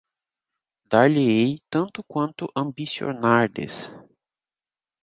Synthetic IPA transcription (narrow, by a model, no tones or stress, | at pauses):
d̪aɾleejt̪ɐ̃nt̪ʊkwɐ̃nt̪ʊʔɐ̃mbisio̰naɾd̪ḛs